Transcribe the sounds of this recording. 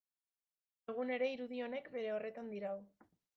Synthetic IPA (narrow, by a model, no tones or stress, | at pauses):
eɣ̞une̞ɾe̞iɾuðio̞ne̞kbe̞ɾe̞o̞re̞t̪and̪iɾaw